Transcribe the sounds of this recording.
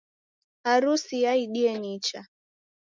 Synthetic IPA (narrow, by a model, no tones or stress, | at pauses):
aɾusijaiɗiɛnit͡ʃa